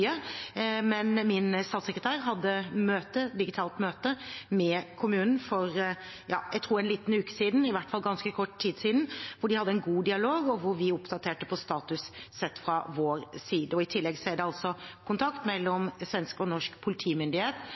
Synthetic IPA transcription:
ə | mɛnmɪnst̪ɑːt̪səkɾət̪ʰæːɾɦɑd̪ːəmøːt̪əd̪ɪɡɪt̪ʰɑːlt̪møːt̪əmɛkʰʊmʉːnn̩fɔɾ | jɑ̰ːjæɪt̪ʰɾuːɾɛnliːt̪n̩ʉːkə̥siːd̪n̩ɪʋæʈːfɑlːɡɑnskəkʰɔʈːt̪ʰːiːd̪siːd̪n̩ʋʊɖɪhɑd̪ːəɛnɡuːd̪ɪɑloːɡɔʋʊɾʋɪʊpd̪ɑt̪ʰeːʈəpʰɔst̪ɑːt̪ʉssɛt̪ːfɾɑʋoːɾsiːd̪əɔɪt̪ʰɪlːɛɡsɛd̪ɛɑlsɔkʰʊnt̪ʰɑkt̪mɛlːɔmsʋɛnskɔnɔʂkpʰʊlɪt̪ʰiːmʏnd̪ɪheːt̪

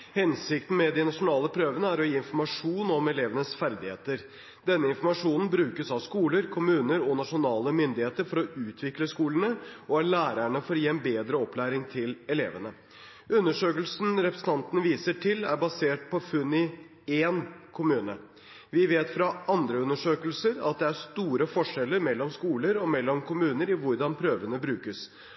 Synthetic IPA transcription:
hɛnsɪkt̪n̩mɛd̪ɪnɑʂʊnɑːləpʰɾøːʋənəæɾɔjiːɪnfɔɾmɑʂuːnɔmɛleːʋənəsfæɾd̪ɪhḛːt̪əɾ | d̪ɛnːəɪnfɔɾmɑʂuːnn̩bɾʉːkəsɑʋskuːləɾkʰʊmʉːnəɾɔnɑʂʊnɑːləmʏnd̪ɪheːt̪əɾfɔɾɔʉːt̪ʰʋɪkləskuːləɳəɔæɭæːɾæɳəfɔɾɔjiːɛnbeːd̪ɾəɔpːlæːɾɪŋt̪ʰɪlɛlḛːʋənə | ʉnːəʂøːkəlsn̩ɾɛpɾəsən̩t̪ʰɑnt̪ənəʋiːsəʈʰɪlæ̰ɾbɑseːʈ̚pʰɔfʉnːɪ | eːnkʰʊmʉːnə | ʋɪʋeːt̪fɾɑɑnd̪ɾəʉnːəʂøːkəlsəɾɑ̰t̪̚d̪ɛæʂt̪uːɾəfɔʂɛlːəɾmɛlːɔmskuːləɾɔmɛlːɔmkʰʊmʉːnəɾɪʋʊɾɖɑnpʰɾøːʋənəbɾʉːkəs

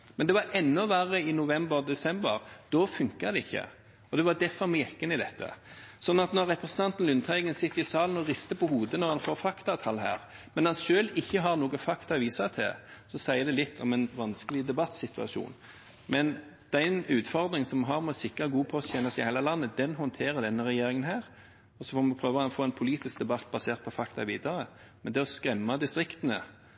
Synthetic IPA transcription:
mɛnd̪ɛʋɑɾʔɛnːɔʋæɾəɪnʊʋɛmbəʁd̪ɛsɛmbəʁd̪̥ɔfʉŋkəd̪ɛɪçːə̰ | ɔd̪ɛʋɑd̪ɛfɔɾmɛːkənɪd̪ɛt̪ːə̰sɔnːɑt̪nɔɾːɛpɾɛsən̩t̪ʰɑnt̪n̩lʉnt̪ʰɑʏɡənsɪt̪ːɪsɑːln̩ɔʁɪst̪əpʰɔhuːd̪ənɔɾhɑnfoːɾfɑkt̪ɑt̪ʰɑlɦæ̰ːɾ | mɛnhɑnʃøːlɪçːəɦɑɾnoːɡəfɑkt̪ɑʋiːsɑt̪ʰɛsɔsæɪəd̪ɛlɪt̪ʰːɔmɛnʋɑnskəlɪd̪ɛbɑt̪ːsɪt̪ʰʉɑ̰ʃṵːn | mɛn | d̪̥æɪnʉːt̪fɔʁd̪ʁɪŋsɔmɦɑʁmɛɔsɪkɾəɡuːpʰɔɔçɛnəsɪhɛːlɑlɑnːəd̪ɛnɦɔnt̪ʰeːʁəd̪ɛnːəʁɛjeːʁɪŋənɦæːʁ | ɔsɔfɔːmɪpʰɾøːʋəɑnfoːɛnpʰʊliːt̪ɪsk̚d̪ɛbɑt̪̚ːbɑseːʁt̪̚pʰɔfɑkt̪ɑ̰ʋiːd̪ɑʁə | mɛnd̪ɛɔskɾɛmːɑd̪ɪst̪ʁɪkt̪ənə̰

